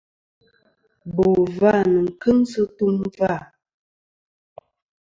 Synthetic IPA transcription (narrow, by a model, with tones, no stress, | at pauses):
bo˨va˦˨nə˨ŋ̩˨kə˦ŋsə˦tu˦mva˦˨